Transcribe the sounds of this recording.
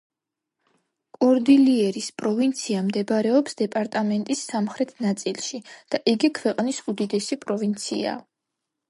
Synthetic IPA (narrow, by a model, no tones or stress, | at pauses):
kʼɔɾd̪iliɛɾispʼɾɔvint̪sʰiamd̪ɛbɾɛɔpsd̪ɛpʼaɾt̪ʼamɛnt̪ʼisːamχɾɛt̪ʰnat̪sʼilˠʃid̪̥aʔiɡikʰwɛqʼnisud̪id̪ɛsipʼɾɔvint̪sʰḭa̰